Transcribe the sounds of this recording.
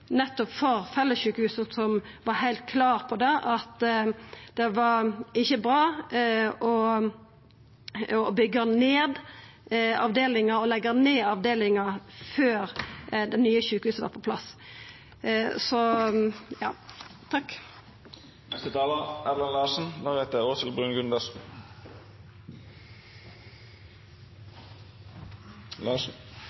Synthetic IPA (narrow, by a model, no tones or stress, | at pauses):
nɛt̪ːɔpfɔʁfɛlːəsçʉːkəhʉːsəsɔm | ʋɑɾhæɪlt̪̚kʰlɑːʁpʰɔd̪ɛʔɑt̪ | d̪̥ɛʋɑɾɪçːəbɾɑː | ɔ | ɔbʏɡəneːd̪ | ɑ̰ʋd̪eːlɪŋəɾɔlɛɡəneːɑʋd̪eːlɪŋɑføːɾd̪ɛnnyːəçʉːkhʉːsəʋɑ̰ːɾpʰɔpʰlɑs | sɔ | jɑ̰ːt̪ʰɑk | nɛst̪ət̪ʰɑːləʁɛʋlɑnlɑːʂən̩d̪ɔɾʁheːt̪əoːt̪ʰɪlbʁʉːnɡʉnd̪əs | lɑːʂ